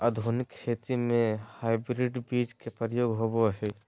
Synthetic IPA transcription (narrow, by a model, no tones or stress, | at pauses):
ɐd̪ʱonɪkʃʰeːt̪imẽhaːɪbɾiɖbiːd͡ʒkepəɾjoːɡɦoboɦe